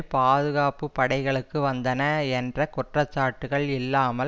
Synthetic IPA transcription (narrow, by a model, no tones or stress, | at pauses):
paːðɯɣaːpɯpːɐɽɐɪɣɐɭɯkːɯʋɐnd̪ɐnɐɛndrɐkɔʈrɐt͡ʃːaːʈːɯɣɐɭɪlːaːmɐ